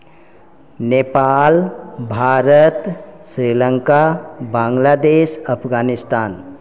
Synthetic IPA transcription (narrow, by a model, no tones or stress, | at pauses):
neːpaːlbʱaːɾət̪sɾiːlə̃ŋkabãːŋɡlaːd̪eːʃɐpʰɡaːnɪst̪aːn